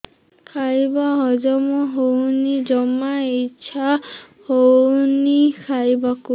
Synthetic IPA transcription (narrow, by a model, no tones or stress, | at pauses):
kʰajbaɦɔzɔmɔɦownid͡ʒɔmait͡ʃʰa | hownikʰajbaku